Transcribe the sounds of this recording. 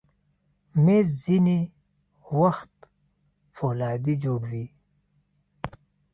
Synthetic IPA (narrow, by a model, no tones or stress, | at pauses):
mezzini | waxt̪ | folaːd̪id͡ʒoːɽwi